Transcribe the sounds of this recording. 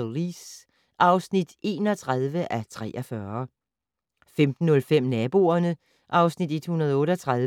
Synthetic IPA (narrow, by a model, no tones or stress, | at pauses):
ʁis | ʔɑ̈ʊsnid̥e̝ːnɒt͡sʰʁaðˠʋəʔæt͡sʰʁɛ̰ːʔɐfɶɐ | femd̥n̩ːɔ̽lfem̰næb̥o̝ɐnə | ʔɑ̈ʊsnid̥e̝d̥hunɐð̞ˠɔ̽ːɾəɒt͡sʰʁɑð